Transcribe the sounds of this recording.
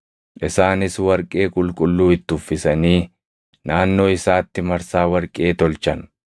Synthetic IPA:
ʔɪsaːnɪswɐɾkʼe̞ːkʼʊlkʼʊlːuːɪt̪ːʊfːɪsɐniː | naːnːo̞ːɪsaːt̪ːɪmɐɾsaːwɐɾkʼe̞ːt̪ɔlt͡ʃɐn

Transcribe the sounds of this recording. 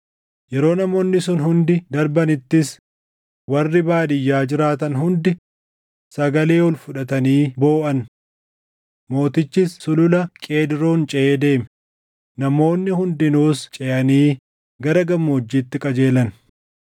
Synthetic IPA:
jɛɾo̞ːnɐmo̞ːnːɪsʊnhʊnd̪ɪd̪ɐɾbɐnɪt̪ːɪs | wɐrːɪbaːd̪ɪjːaːd͡ʒɪɾaːt̪ɐnɦʊnd̪ɪ | sɐɡɐle̞ːwɔlfʊᶑɐt̪ɐniːbo̞ːʔɐn | mo̞ːt̪ɪt͡ʃːɪsːʊlʊlɐkʼe̞ːd̪ɪɾoːnt͡ʃʼɛʔeːd̪e̞ːmɛ̥ | nɐmo̞ːnːɪhʊnd̪ɪnuːst͡ʃʼɛʔɐniː | ɡɐɾɐɡɐmːoːd͡ʒːiːt̪ːɪkʼɐd͡ʒe̞ːlɐn

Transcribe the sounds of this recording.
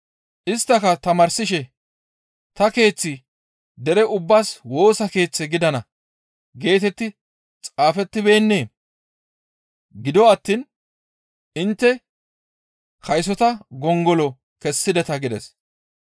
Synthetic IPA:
ʔɪst̪ːɐkɐt̪ɐmɐɾsɪʃɛ | t̪ɐke̞ːt͡sːɪ | d̪ɛɾɛʔʊbːaːswo̞ːsɐke̞ːt͡sːɛɡɪd̪ɐnɐ | ɡe̞ːt̪ɛt̪ːɪ | t͡sʼaːfɛt̪ːɪbe̞ːnːe̞ː | ɡɪd̪ɔɐt̪ːiːn | ɪnt̪ːɛ | hɐjs̬ɔt̪ɐɡɔŋɡɔlɔ | kɛsːɪd̪ɛt̪ɐɡɪd̪ɛs

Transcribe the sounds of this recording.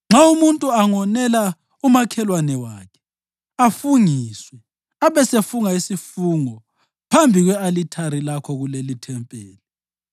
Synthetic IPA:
ŋ͡ǁaumuntʼuaŋɔnɛla | umakʰɛlwanɛwaːkʰɛ̥ | afuŋiswɛ | aβɛsefuŋaisifuːŋɔ | pʰambʱiɣwɛalitʰaɾilakʰɔɣulelitʰɛmpʼeːli

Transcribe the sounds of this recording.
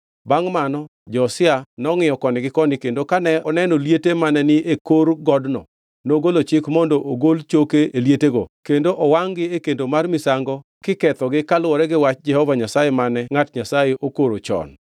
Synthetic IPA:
baŋmanɔ | d͡ʒɔsɪanɔŋɪjɔkɔnɪɡɪkɔnɪkendokanɛɔnɛnoljetemanɛnɪʔekoɾɡɔdnɔ̰ | noɡolot͡ʃɪkmɔndɔʔoɡolt͡ʃokeeljeteɡo̰kendoʔɔwaŋɡɪekendomarmɪsaŋɡɔ | kɪkɛt̪ɔɡɪkalwɔɾɛɡɪwat͡ʃd͡ʒɛhɔvaɲasajemanɛŋatɲasajeʔokoɾot͡ʃɔ̰n

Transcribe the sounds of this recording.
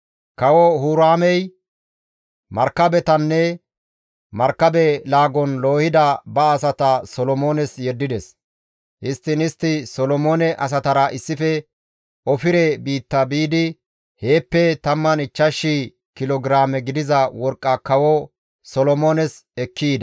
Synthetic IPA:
kɐwɔhuːɾaːmɛj | mɐɾkːɐbɛt̪ɐnːɛ | mɐɾkːɐbɛlaːɡɔnlo̞ːhɪd̪ɐbɐːsɐt̪ɐsɔlɔmoːnɛsjɛd̪ːɪd̪ɛs | ʔɪst̪ːɪnɪst̪ːɪsɔlɔmoːnɛʔɐs̬ɐt̪ɐɾɐʔɪsːɪfɛ | ɔfɪɾɛbiːt̪ːɐbiːd̪ɪ | he̞ːpːɛt̪ɐmːɐnɪt͡ʃːɐʃːi | kɪlɔɡɪɾaːmɛɡɪd̪ɪzɐwɔɾkʼːɐkɐwɔ | sɔlɔmoːnɛsɛkʰːiːd̪ɐ

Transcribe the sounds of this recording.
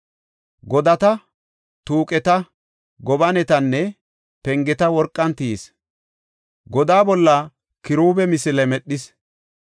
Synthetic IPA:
ɡɔd̪ɐt̪ɐ | t̪uːkʼɛt̪ɐ | ɡɔbɐnɛt̪ɐnːɛ | pɛŋɡɛt̪ɐwɔɾkʼːɐnt̪iːs | ɡɔd̪aːbɔlːɐ | kɪɾuːbɛmɪsɪlɛmɛɗːɪs

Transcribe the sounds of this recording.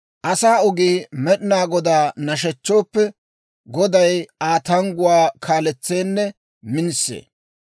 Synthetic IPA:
ʔɐsaːʊɡiːmɛɗɪnaːɡɔd̪aːnɐʃ̬ɛt͡ʃːo̞ːpːɛ | ɡɔd̪ɐjaːt̪ɐŋɡʊwaːkʰaːlɛt͡sːe̞ːnːɛ | mɪnsːḛː

